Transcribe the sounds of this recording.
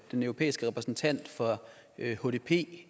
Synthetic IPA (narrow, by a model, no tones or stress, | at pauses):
d̥enœʊʁo̝pʰḛːisɡ̥əʁɛpʰʁɛsn̩t͡sʰæn̰d̥fɒ̽ | ho̝de̝pʰe̝̰ː